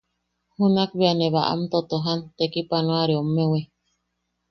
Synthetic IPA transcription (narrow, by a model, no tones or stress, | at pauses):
hunakβeaneβaʔa̰mt̪ot̪oɦant̪ekipanõaɾeomːewe